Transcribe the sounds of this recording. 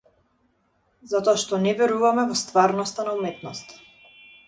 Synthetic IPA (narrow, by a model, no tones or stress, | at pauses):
zat̪ɔaʃt̪ɔnɛvɛɾuvamɛvɔst̪vaɾnɔst̪anaumɛt̪̚nɔst̪ḁ